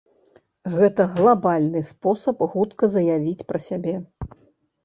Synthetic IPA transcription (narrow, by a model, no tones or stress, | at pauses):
ɣɛt̪ɐɣlˠabalʲnɨspɔsɐpxut̪kɐzɐjavʲit͡sʲpɾɐsʲabʲɛ